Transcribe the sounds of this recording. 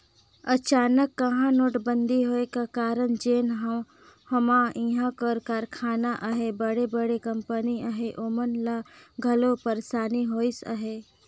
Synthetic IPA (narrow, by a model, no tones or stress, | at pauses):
ət͡ʃaːnəkːəɦãnoːʈbə̃nd̪ʱiɦoːekakaːɾənd͡ʒeːnɦə | hɐmãĩɦãkəɾkaɾkʰaːnaʔəɦebəɽebəɽekə̃mpəniəɦeʔomənlaɡʱɐlopəɾsaːniɦoːisə̰ɦe